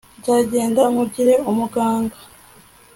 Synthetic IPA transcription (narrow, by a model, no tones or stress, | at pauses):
ɟaːɟe̞ːndaŋuɟiɾe̞umuɡaːŋɡa